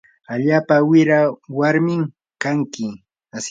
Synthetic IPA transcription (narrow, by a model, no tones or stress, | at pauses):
aʎaːpawɪɾawaɾmɪm | kaŋkɪ | as